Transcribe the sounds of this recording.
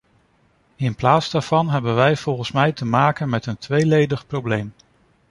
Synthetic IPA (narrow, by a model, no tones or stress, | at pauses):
ɪnplaːtsdaːɹv̥ɑnɦɛbənʋɛjv̥ɔlˠχənsmɛjtəmaːkənmɛtəntʋejlejdəχprowblejm